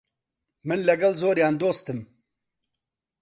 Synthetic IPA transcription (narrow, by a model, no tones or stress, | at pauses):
mɨnlɐɡɐlzoːɾjaːnd̪oːst̪ɨm